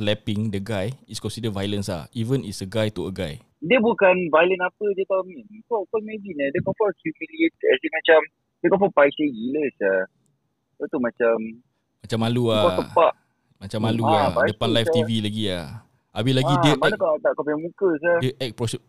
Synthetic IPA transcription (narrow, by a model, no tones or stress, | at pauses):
slɛpiŋdəɡajiskɔ̃nsidəvajlənsa̰ivənisəɡajt̪uəɡaj | diəbukanvajlənapədiət̪aumĩnkɔkɔmebinadəkɔfɔhjumiliet̪̚ɛsiŋmat͡ʃam | dəkɔ̃fɔpajsəɡiləsa | ət̪umãt͡ʃam | mat͡ʃamːaluakəpaʔ | mat͡ʃamːaluaadəpanlajfft̪ivilaɡia | ʔabɪlaɡidəanakat̪aʔkɔpaɲamũkəs̬adəʔɛk̚pɾɔsɛ